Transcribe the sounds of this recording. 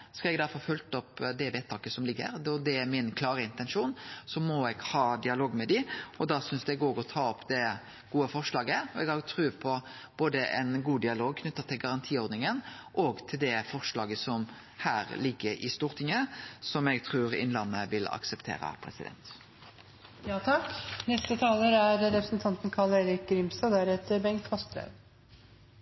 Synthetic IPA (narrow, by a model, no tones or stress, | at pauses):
skɑlɛɡd̪æɾfɔɾfœlt̪ɔpd̪ɛʋeːt̪ʰɑːkəsɔmlɪɡːə̰ɾɔd̪ɛæmɪnkʰlɑːɾəɪnt̪ɛnʂuːnsɔmɔɛɡhɑːd̪ɪɑloːɡmɛd̪ɪɔd̪ɑsʏnsd̪ɛɡoːɡɔt̪ʰɑːɔpːd̪ɛ | ɡ̥uːəfɔʁʂlɑːɡəɔɛɡɑt̪ʰɾʉːpʰɔ | b̥oːd̪əʔɛ̰nɡuːd̪ɪɑloːɡ̚kʰnʏt̪ːɑt̪ʰːɪlɡɑɾɑnt̪ʰiːɔɾd̪nɪŋənʔɔɡt̪ʰɪld̪ɛfɔʁʂlɑːɡəsɔm | hæːɾlɪɡːəɾʔɪ̰st̪uːʁt̪ʰɪŋəsɔmɛɡt̪ʰʁʉːɾɪ̰nlɑnːəʋɪlɑ̰ksəpt̪ʰḛːɾə̰pʰɾɛ̰sɪd̪ɛ̰nt̪ | jɑːt̪ʰɑknɛst̪ət̪ʰɑːləɾæɾɾɛpɾəsnt̪ʰɑnt̪n̩kʰɑleːɾɪk̚ɡɾɪmst̪ɑd̪æɾɛt̪əɾbɛŋkt̪fɔsbɾɛ̰ʋ